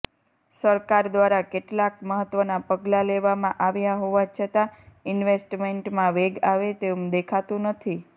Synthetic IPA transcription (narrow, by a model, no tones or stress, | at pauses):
səɾkaɾd̪ʋaɾakeʈlakməɦət̪ːʋənapəɡlaleʋamãʔaʋjaɦoʋat͡ʃʰət̪aɪnʋesʈmeɳʈmãʋeɡaʋet̪eũd̪ekʰat̪ũnət̪ʰi